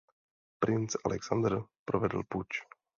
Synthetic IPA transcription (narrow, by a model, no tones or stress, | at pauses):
pɾɪnt͡salʔɛksand̪r̩pɾovɛdl̩put͡ʃ